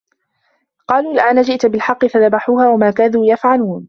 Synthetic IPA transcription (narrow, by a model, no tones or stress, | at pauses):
qɑːluːlɪʔaːnad͡ʒɪʔt̪bɪlħɑqːɨfaðabaħuːhaːwamaːkaːðuːjafʕaluːn